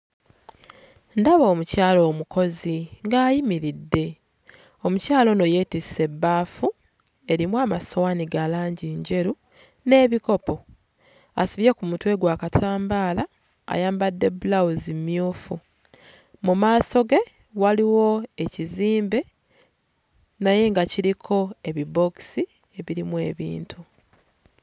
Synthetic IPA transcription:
ndaβo̞ːmucaːlo̞ːmuko̞ziŋɡaːjimiɾidːe̞ | o̞mucaːlo̞no̞je̞ːtise̞bːaːfu | e̞ɾimwaːmasowaniɡalaːɲɟiɲɟe̞ɾu | ne̞ːβiko̞po̞ | a̰suβjekumutwe̞ɡwaːkatʰaːmbaːla̰ː | jaːmbadːe̞bulawuzimːjuːfu | mumaːso̞ɡe̞ | waliwo̞e̞ciziːmbe̞ | naje̞ŋɡaciɾikʰo̞e̞βibo̞ksi | e̞βiɾimwe̞ːβḭːntʰu

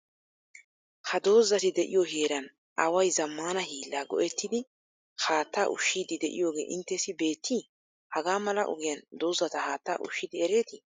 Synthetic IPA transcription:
hɐd̪o̞ːzːɐt̪ɪd̪ɛʔɪ̰jɔɦe̞ːɾɐn | ɐwɐjzɐmːaːnɐhiːlːaːɡɔ̰ʔɛt̪ːɪd̪ɪ | haːt̪ːaːʔʊ̰ʃːiːd̪ɪd̪ɛʔɪ̰jo̞ːɡe̞̰ːʔɪnt̪ːɛsɪbe̞ːt̪ʰːi | hɐɡaːmɐlɐʔʊ̰ɡɪjɐnd̪o̞ːzːɐt̪ɐhaːt̪ːaːʔʊ̰ʃːɪd̪ɪɛɾe̞ːt̪ɪ

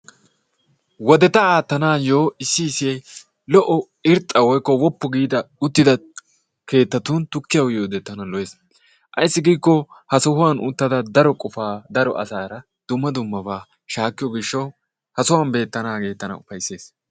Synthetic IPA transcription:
wɔd̪ɛt̪ɐaːt̪ːɐnaːjo̞ːɪsːɪːsɪjɐj | lɔʔɔ | ɪɾt̪ʼːɐwɔjkːɔwɔpːɔɡiːd̪ɐʊt̪ːɪd̪ɐ | ke̞ːt̪ːɐt̪unt̪ʊkːɪjɐwjoːd̪ɛt̪ːɐnɐlɔjeːs | ʔɐ̰jsːɪɡiːkːɔhɐsɔhʊwanʊ̰t̪ːɐd̪ɐd̪ɐɾɔkʼɔfaːd̪ɐɾɔ̰ʔɐ̰saːɾɐ | d̪̥ʊmːɐd̪ʊmːɐbaː | ʃaːkːɪjɔɡɪʃːɐw | hɐsʊwɐːnbe̞ːt̪ːɐnaːke̞ːt̪ːɐnɐ̰ʊfɐjse̞ːs

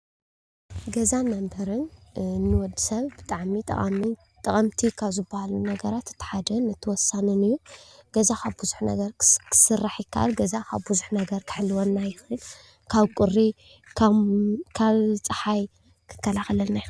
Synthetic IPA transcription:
ɡɐzanːambɐɾɨnnːɨwɔd̪ɨsɐβbɨt̪ʼaʕmit̪ʼɐ̰χʼa̰mi | t̪ʼɐkʼɐmt̪ʰikʰaβzɨbːahalunɐɡɐɾat̪ːɨ̥t̪ʰːɨ̥ħad̪ɐnːɨt̪ʰːɨwɔsːanɨnɨjːuɡ̥ɐzakʰaβbuzu̥ħnɐ̰ɡɐɾkʰɨ̥sɨrːaħjɪkʰːaʔa̰lɡɐzakʰaβbuzuħnɐɡɐɾkʰɨ̥ħɨlːɨwonːajɪxɨl | kʰaβkʼʊrːi | kʰkʰaβt͡sʼɨħaj | kʰɨ̥kːɐlaxlɐnaj

